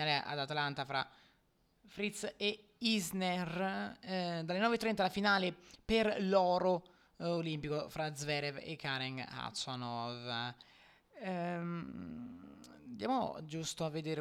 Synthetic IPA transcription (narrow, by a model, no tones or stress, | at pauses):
aːleʔa̰d̪at̪alant̪afɾa̰ | fɾit̪se | iznɛr | d̪alenɔːvet̪ːɾɛnt̪alafinaːleperlɔːɾo | olimpikofɾazvɛɾɛvḛkʰːaɾɛŋa̰t̪sɔnɔv | d̪jaːmo̰d͡ʒust̪oavːed̪eːɾ